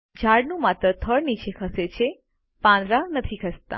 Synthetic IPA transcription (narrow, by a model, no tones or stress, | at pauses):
d͡ʒʱaɽnũmat̪ɾət̪ʰəɽnit͡ʃʰekʰəset͡ʃʰe | pãnd̪ɾanət̪ʰikʰəst̪a̰